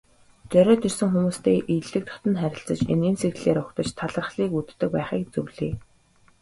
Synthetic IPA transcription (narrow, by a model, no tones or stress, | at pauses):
t͡sœɾʲɔːt̪ʰirsɘ̆ŋxumuːst̪eːʔiɮɘ̆k̚t̪ʰɔ̥t̪ə̆nχæɾʲɪ̆ɬt͡sə̆t͡ɕḛnenserɣɮeːɾʊkt̪ə̆t͡ɕt̪ʰaɮə̆rχɮiːkut̪ːɘ̆k̚pæːχiːkt͡sɵwɮiː